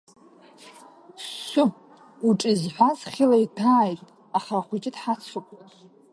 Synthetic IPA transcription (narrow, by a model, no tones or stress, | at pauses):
sʷʊ | uʈ͡ʂʼizħʷazχʲilajtʰaːjtʼ | aχaχʷʊd͡ʒʼɪdħat͡sʰakʷʼa